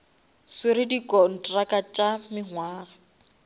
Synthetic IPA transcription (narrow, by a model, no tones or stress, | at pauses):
swɪɾɪdikʼɔn̩tʼrakʼat͡ʃʼamɪɦwaːɣa